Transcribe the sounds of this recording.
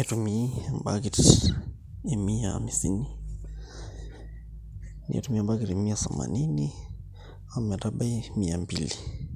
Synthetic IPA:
etumiamba̰kit | emiaa̰misḭni | nḭḛtumiambakiɾemiasama̰nini | amɛtaɓaimiambili

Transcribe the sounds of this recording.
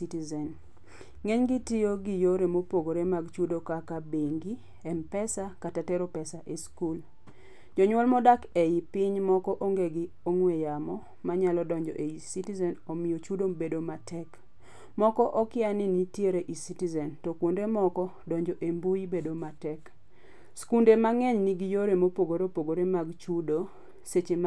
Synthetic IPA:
itizɛn | ŋeɲɡɪtɪjoɡijoɾemopoɡoɾemaɡt͡ʃudokakabeŋɡi | ɛmpɛsakatatɛɾopɛsaʔeskul | d͡ʒɔɲwɔlmɔdakeipɪɲmɔkɔʔoŋɡeɡɪ | oŋwejamɔ | maɲalɔdɔɲd͡ʒɔ̰ʔeisitizɛnomɪjot͡ʃudobedomatʰɛk | mɔkɔʔɔkɪanɪnitjeɾeʔisitizɛntɔkwondemɔkɔdɔɲd͡ʒɔʔembujibedomatɛk | skundemaŋɛɲniɡijoɾemopoɡoɾopoɡoɾemaɡt͡ʃudo | set͡ʃem

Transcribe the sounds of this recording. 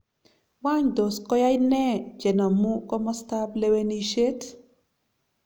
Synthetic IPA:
wandoskɔjajnɛd͡ʒɛnamukɔmɔstableweniʃet

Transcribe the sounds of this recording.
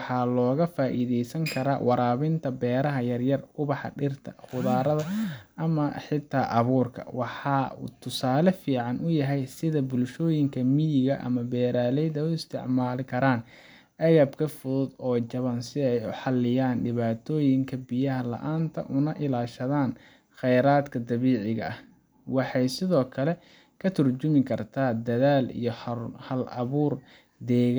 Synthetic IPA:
ħɑːlɔːɣɐfaːʔiːðɛjsɐŋkʰɐɾa̰ːwʔɑɾaːβɪnt̪ʰɐbɛːɾɐɦɐjɐrjɐrʊβɑħɑ̰ɖɪrt̪ʰɐ̰χʊðaːɾɐðɐʔɐmɐħɪt̪ʰːaːʔɐβuːrkʰɐ̰wɑħɑːṵːt̪ʰʊsaːlɐfiːʕɑnʊjɐɦɛjsɪðɐbʊlʃɔːjɪŋkʰɐmijɪɣɐʔɐ̰mɐbɛːɾaːlɛjðɐʊɪst̪ʰɪ̰ʕmaːlɪkʰɐɾaːn | ʔɐɣɐbkʰɐfʊðʊd̪ɔːt͡ʃɐβɐnsɪɛjʊħɑlːɪjaːnɖɪβaːt̪ʰɔːjɪŋkʰɐbɪjɐɦɐlɐ̰ʔaːnt̪ʰɐ̰ʔʊnɐʔɪlaːʃɐðaːn | xɛjɾaːd̪kʰɐd̪ɐβiːʕɪɣɐʔɐh | wɑħɑjsɪðɔːkʰɐlɛ | kʰɐt̪ʰʊrt͡ʃʊmɪkʰɐrt̪ʰaːd̪ɐðaːlḭjɞhɐlɐβuːr | d̪ɛːɣ

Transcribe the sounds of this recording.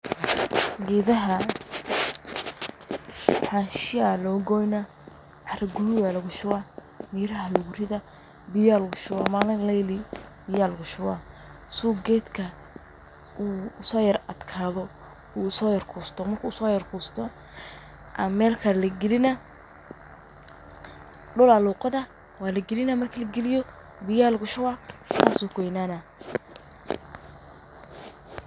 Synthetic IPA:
ɡɛːðɐɦɐ | ħaʃɪalɔːɡɔːjnɐ | ʕɑɾɐɡʊnɪwaːlɐɣʊʃʊwaː | miːɾɐɦɐlʊɣʊrɪðɐ | bɪjaːlɐɣʊʃʊwaːmaːlɐlɐjlɪbɪjaːlɐɣʊʃʊwa | suːɡɛːd̪kʰɐ | ʔuːsɔːjɐɾɐd̪kʰaːðɔ | uːsɔːjɐrkʰuːst̪ɔmɐrkʰuːsɔːjɐrkʰuːst̪ʰɔ | ʔɐmɛːlkʰɐlɐɡɪlɪnɐ | ɖʊlɐluːqɐðɐ | waːlɐɡɪlɪnɐmɐrkʰɐlɐɡɪlɪjɔ | bɪjalɡʊʃʊwasaːsuːkʰɔjnaːnɐ

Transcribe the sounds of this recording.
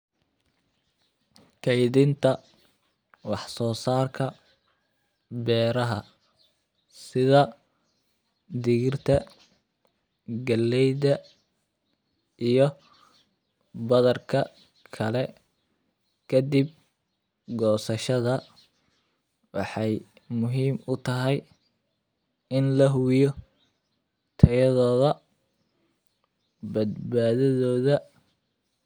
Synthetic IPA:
kʰɛjðɪnt̪ʰɐ | wɑħsɔːsaːrkʰɐ | bɛːɾɐɦɐ | sɪðɐ | d̪ɪɣɪrt̪ʰɐ | ɡɐlːɛjdɐ | ʔijɞ | bɐðɐrkʰɐ | kʰɐlɛ | kʰɐd̪ib̚ | ɡɔːsɐʃɐðɐ | wɑħɑj | mʊɦiːmʊt̪ʰɐɦɛj | ɪnlɐɦʊjɔ | t̪ʰɐjɐðɔːðɐ | bɐd̪baːðɐðɔːðɐ

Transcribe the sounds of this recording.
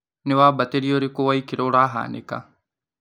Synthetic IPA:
nɪʋaːbɐt̪eɾijoːɾikoʋɐikɪɾoːɽaːɦa̰ːnɪ̰ka̰

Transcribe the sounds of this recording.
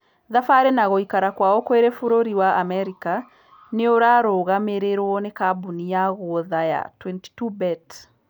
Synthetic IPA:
ðafaɾenaɣoikaɾakwaokweɾɛfoɾoɾiwaamɛɾika | neoɾaɾoɣameɾeɾwɔnekabunijaɣoðaja̰twɛnti̥tubɛt

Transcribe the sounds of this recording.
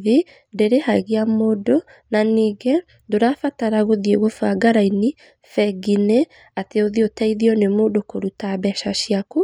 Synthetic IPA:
ði | deɾehaiɣiamodo | naniːɡɛ | doɾafataɾaɣoðjeɣofaɡaɾaini | fɛɡine | ateoðiotaiðiɔnemoːdokoɾutaβɛʃaʃiaku

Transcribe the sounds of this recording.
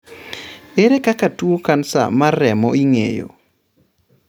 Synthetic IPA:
eɾekakatwokansa̰marːɛmɔiŋḛjo̰

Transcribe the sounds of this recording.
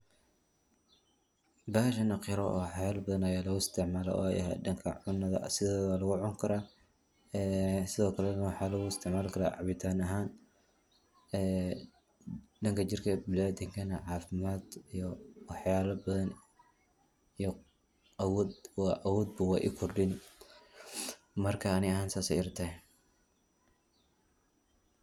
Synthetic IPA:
baːʃɐnɐqɪɾɔ̰wħjaːlbɐðɐnɐjaːlɐɣʊɪst̪ʰɪʕmaːlɐ̰ʔɔ̰ːjɐ̰ɦɛ̰dɐŋkʰɐ̰ʕʊnːɐðɐ̰sɪðɛːðaːlɐɣʊʕʊŋkʰɐɾaː | ɛsɪðɔːkʰɐlɛnɐwɑħɑːlɐɣʊɪst̪ʰɪʕmaːlkʰɐɾa̰ːʕɑβɪt̪ʰaːnɐɦaːn | ɛː | ɖɐŋkʰɐt͡ʃɪrkʰɐbɪlaːd̪ɪŋkʰɐnɐʕɑːfɪmaːd̪ijɔwɑħjaːlɐbɐðɐn | ij | ɐwɔːd̪wɑʔɐwɔːd̪bɐwɑːʔḭkʰʊrɖɪn | mɐrkʰɐːnɪɐɦaːnsaːsɛ̰jɪrt̪ʰɐ

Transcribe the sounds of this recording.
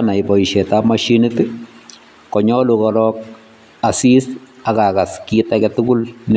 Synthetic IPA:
naibɔiʃɛtamaʃinɪt | kɔɲɔlukɔɾɔk̚ | asis | akakaskitakɛtʊɡʊln

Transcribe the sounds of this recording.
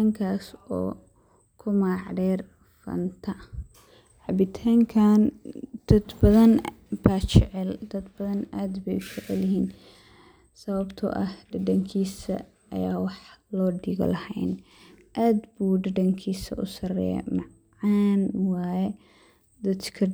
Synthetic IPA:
aːŋkʰaːsɔː | kʰʊmaːʕdɛːr | fɐ̰nt̪ʰɐ | ħɑbɪt̪ʰaːŋkʰaːnd̪̥ɐd̪bɐðɐnbaːt͡ʃɛʕɛld̪̥ɐd̪bɐðɐnaːd̪bɛjʊt͡ʃɛʕɛ̰ljɪɦiːn | sɐβɐbt̪ʰɔ̰ʔɐhɖɐɖɐŋkʰiːsɐ̰ | ɐ̰jaːwɑħlɔːɖɪɣɔ̰lɐhɛ̰jn | ʔaːd̪buːɖɐɖɐŋkʰiːsɐ̰ʔʊsɐrɛ̰jɛ̰mɑʕ | ɑːnwɑːjɛ | d̪ɐd̪kʰɐ

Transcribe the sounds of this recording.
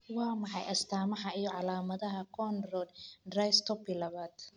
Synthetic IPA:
wɑːmɑħɑjʔɐst̪ʰaːmɐɦɐijɔʕɑlaːmɐðɐɦɐkʰɔnrɔːd̪d̪rajst̪ʰɔbilɐβaːd̪̥

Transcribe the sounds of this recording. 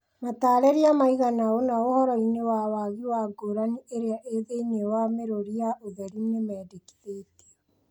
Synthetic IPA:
mataːɾɛɾiamaiɣanaonaohɔɾɔinewawaɣiwaɡoɾaniʔeɾeaʔeðeinewameɾoɾiaʔoðɛɾinemɛːdeki̥ðete̥

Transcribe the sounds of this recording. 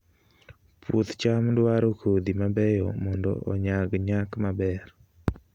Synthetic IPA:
pʰut̪t͡ʃamdwaɾokʰod̪imabɛjɔmɔndɔ̰ʔɔ̰ɲaɡɲakmabɛr

